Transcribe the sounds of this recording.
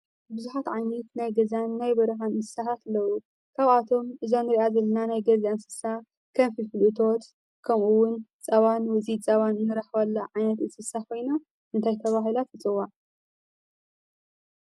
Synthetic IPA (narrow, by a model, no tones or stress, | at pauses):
bɨzuħat̪ʕajnɐt̪najɡɐzanːajbɐɾɐxannsɨ̥sahat̪lːɐwu | kʰaβat̪ʰo̞mʔɨzonːɨɾiʔazɐlːɐnanajɡɐziansɨ̥sːa | kʰɐmfɨlfɨlʔɨt̪ʰo̞t̪ | kʰɐmʔuwʊnt͡sʼɐβanwɨt͡sʼit͡sʼɐβannɨɾɐħwɐlːɐʕajnɐt̪ɨnsɨsakʰo̞jna | ʔɨnt̪ʰajt̪ʰɐβaɦilat̪ɨt͡sʼɨwːaʕ